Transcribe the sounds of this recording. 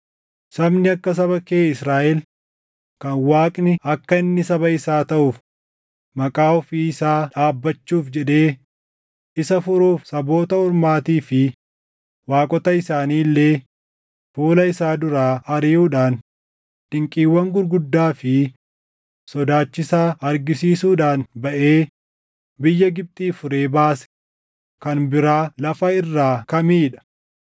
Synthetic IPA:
sɐbnɪɐkːɐs̬ɐβɐkeːɪsɾaːʔɛl | kɐnwaːkʼnɪɐkːɐɪnːɪsɐbɐɪsaːt̪ɐʔʊf | mɐkʼaːɔfiːɪsaːᶑaːbːɐt͡ʃːuːfd͡ʒɛᶑe̞ː | ɪsɐfʊɾuːfsɐbo̞ːt̪ɐʊɾmaːt̪iːfɪ | waːkʼɔt̪ɐɪsaːniːlːeː | fuːlɐɪsaːd̪ʊɾaːɐɾiːuːᶑaːn | ᶑɪŋkʼiːwːɐŋɡʊɾɡʊd̪ːaːfɪ | sɔd̪aːt͡ʃːɪsaːɐɾɡɪsiːsuːᶑaːnbɐʔeː | bɪjːɐɡɪb̚t̪ʼiːfʊɾe̞ːbaːsɛ̥ | kɐnbɪɾaːlɐfɐɪrːaːkɐmiːᶑɐ̥

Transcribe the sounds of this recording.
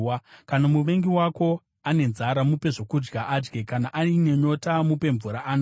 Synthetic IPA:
akanamuʋe̞ŋɡiwako̞ | ane̞nzaɾamupe̞ʐo̞kud͡ʒɡaʔad͡ʒɡekanaʔaine̞ɲo̞tamupe̞ɱvuɾaʔaːno

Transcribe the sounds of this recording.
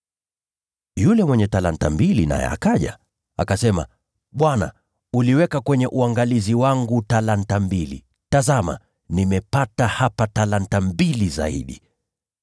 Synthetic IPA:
julɛmwɛɲɛtalantambilina̰jɛ̰a̰kaʄa | akasɛma̰ | ɓwana̰ | uliwɛkakwɛɲɛʔuaŋɡaliziwaŋɡutalan̩tambilḭ | tazama̰ | nimɛpatahapatalantambiliza̰ḭɗi

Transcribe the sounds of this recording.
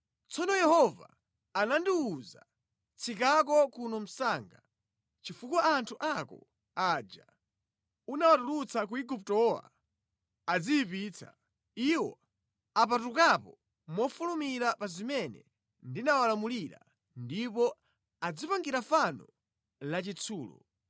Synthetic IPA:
t͡sɔnɔjɛhɔva̰ː | nandiuza̰ | t͡sʰikak̬ɔkunɔm̩saːŋɡa | t͡ʃifukwaantʰuʔakɔ̰ | aːd͡ʒa̰ | unawatulut͡sʰakuiɡup̚tɔwa̰ | ad͡ziipiːt͡sʰa̰ | iwɔ | ap̬atukapɔ | mɔfulumiɾapazimɛnɛ̰ | ndinawalamuliɾa̰ | ndipɔ | ad͡zipaŋɡiɾafanɔ | lat͡ʃit͡sʰuːlɔ̰

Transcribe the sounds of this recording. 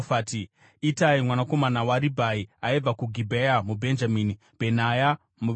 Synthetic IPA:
faːti | itaimwanako̞manawaɾibʱaiaib͡vakuɡʱibʱejamubʱe̞nd͡ʒamiːni | pe̞naja | mu

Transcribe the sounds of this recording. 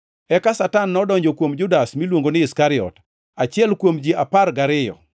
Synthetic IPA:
ɛkasatanːɔdɔɲd͡ʒokwomd͡ʒʊdasmilwoŋɡonɪːskaɾɪɔ̰t | at͡ʃɪɛlkwomd͡ʒiʔapaɾɡaɾɪjɔ̰

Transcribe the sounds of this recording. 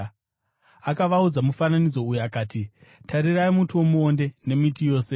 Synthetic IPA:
akaʋaud͡zamufananid͡zo̞ujuakaːtitʰaɾiraimutuwo̞muo̞nde̞ne̞mitijo̞ːse̞

